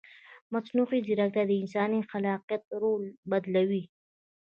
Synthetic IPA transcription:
mɐsnuːxid̪iɾak̚t̪ad̪eɪnsaːnixɐlaːqijət̪̚ɾoːlbɐd̪lɐwi

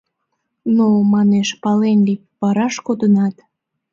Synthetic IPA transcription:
nomɑneʃpɑlenlipβɑɾɑʃkod̪ənɑt̪

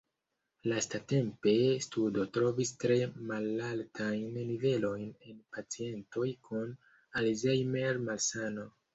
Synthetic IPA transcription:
lastate̞mpe̞studo̞tɾo̞vistɾe̞malaltʰajnːive̞lo̞jne̞npat͡sie̞nto̞jkʰun | alzejmeɾmalsano̞

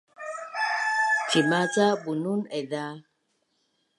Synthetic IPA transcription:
t͡ʃimat͡sabununɛða

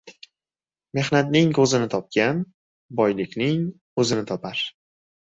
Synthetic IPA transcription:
me̞hnat̪nɪŋkʰɵzɪnɪt̪ʰɒp̚kʲan | bɒjlɪkʲnɪŋ | ɵzɪnɪt̪ʰɒpʰaɾ

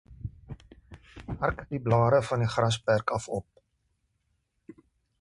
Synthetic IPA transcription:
ɦɐrkdiblɑːɾəfɐniχrɐs̬pærkɐfɔp̚

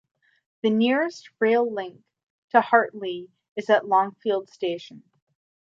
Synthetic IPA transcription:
ðɨnɪɹɨst̚ɹeɪlˠlɪ̃ŋk̚ | tʰɨhɑɹʔˡli | ɨzɨʔˡlɔ̃ŋfilˠd̥steɪʃɨ̃n̩

